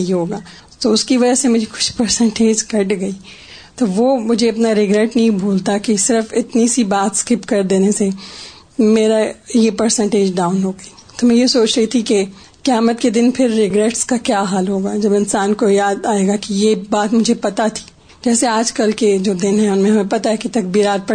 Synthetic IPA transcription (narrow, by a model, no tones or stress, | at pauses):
iɦoːɡaː | t̪oʊskiʋɐd͡ʒəsemʊd͡ʒʱekʊ̥ʃpɐɾsɛ̃ɳʈeːd͡ʒkɐʈɡɐiː | t̪oʋomʊd͡ʒʱeɐpnaɾɪɡɾɛʈnɐɦĩbʱuːlt̪akisɪɾfɪt̪nisibaːt̪skɪpkɐɾd̪eːnese | meːɾajepɐɾsɛ̃ɳʈeːd͡ʒɖaːʊnɦoːɡɐiː | t̪omɛ̃jesoːt͡ʃɾɐit̪ʰike | kjaːmət̪ked̪ɪnpʰɪɾːɪɡɾɛʈskakjaːɦaːlɦoːɡaːd͡ʒɐbɪnsaːnkojaːd̪aːeːɡakijebaːt̪mʊd͡ʒʱepɐt̪at̪ʰi̥ː | d͡ʒɛːseaːd͡ʒkɐlked͡ʒoːd̪ɪnɦɛ̃ʊnmẽɦɐmẽpɐt̪aɦɛkit̪ɐk̚biːɾaːt̪̚pɐ